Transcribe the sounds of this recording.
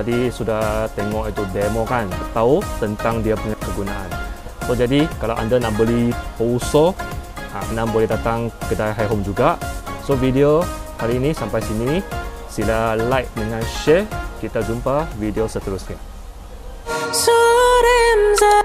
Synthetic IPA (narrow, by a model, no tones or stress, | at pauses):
adisudaht̪eŋɔʔit̪udemokankət̪aut̪ənt̪aŋdiapuɲakəɡunaʔa̰n | sod͡ʒadikalawʔa̰ndanaʔbəlipouso | anãbolɛɦdat̪aŋkədajɦajɦomd͡ʒuɡaʔsovidiohaɾiːnisampajsini | silalajt̪̚dəŋãnʃɛkit̪ad͡ʒumpavidiosət̪əɾʊsɲa | səɾɛmza